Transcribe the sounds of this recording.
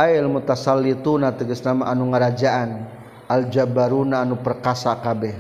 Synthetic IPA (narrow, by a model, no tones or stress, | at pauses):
ajlmut̪asalit̪unat̪əɡəsnamaʔanuŋəɾad͡ʒaʔan | ald͡ʒabaɾunaːnupərkasakabɛ